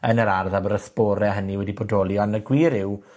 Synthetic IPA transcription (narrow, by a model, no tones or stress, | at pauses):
ənəɾarðabəɾəθbɔːɾɛɦəniwɛdibodɔlˠjɔnəɡwiːɾɪw